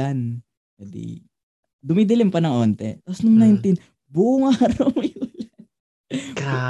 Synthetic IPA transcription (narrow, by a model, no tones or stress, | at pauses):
an | pɛd̪ḭ | d̪ʊmid̪ɪlɪmpɐnɐŋʔont̪ɛ̰t̪aposnʊŋnajnt̪in | buʔʊŋaɾɐwmɪwɐlɐ | ka